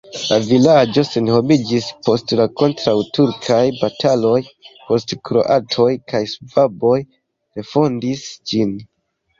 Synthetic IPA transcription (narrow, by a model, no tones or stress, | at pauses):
lavilad͡ʒo̞se̞nho̞mid͡ʒispo̞stlako̞ntɾawtuɾkʰajbatʰalo̞jpo̞stkɾo̞̰ʔatʰo̞jkajsuvabo̞j | de̞fo̞ndisd͡ʒin